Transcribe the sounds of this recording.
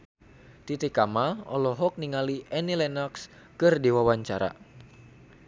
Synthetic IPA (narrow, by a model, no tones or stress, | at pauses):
t̪it̪ikamaɔ̰lɔɦɔk̚niŋaliʔɛnilɛnaks | kɨrdiwawaɲt͡ʃaɾa̰